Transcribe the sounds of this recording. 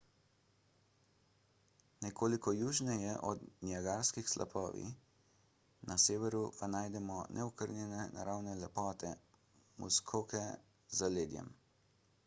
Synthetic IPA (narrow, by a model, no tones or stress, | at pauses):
nɛkoːlikɔjuːʒnɛjɛʔɔd̪njaɡaɾskixslʔa̰pʰɔ̰ːʋḭ | nʔaseːʋɛɾupanaːjd̪ɛmɔnʔɛ̰ɔkəɾnjɛnɛna̰ɾawnɛlɛpɔːt̪ʰɛ | mṵskʰoːkɛ | zaleːd̪jɛ̰m